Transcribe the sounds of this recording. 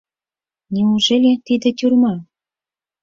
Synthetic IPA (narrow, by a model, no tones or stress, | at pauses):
nʲiuʒelʲet̪id̪ĕt̪ʲurmɑ